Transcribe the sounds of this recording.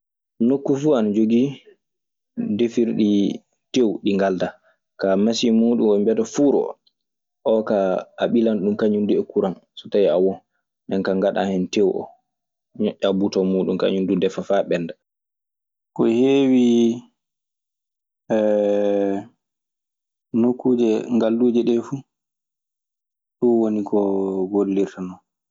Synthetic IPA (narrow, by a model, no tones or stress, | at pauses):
nokːufuːanad͡ʒoɡi | defiɾɗi | tewɗiŋɡalda | kamasimuːɗumɔmbɛtafuːɾɔ̰ | ʔɔkaːɓilanɗumkaɲunduɛkuɾansɔ̥tajiawɔn | ndɛnkaŋɡaɗa̰hɛntewɔ̰ | ɲɔʔːabutɔmuːɗumka̰ɲundudɛfafaɓɛnːda | kɔheːwi | ɛ | nokːuːd͡ʒɛŋɡalːuːd͡ʒɛɗɛfu | ɗuwonikɔɡolːiɾtanɔ